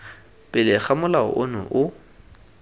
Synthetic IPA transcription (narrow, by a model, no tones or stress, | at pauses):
pʼɪlɪχamʊlaʊ̰ʔʊnʊ̰ʔʊ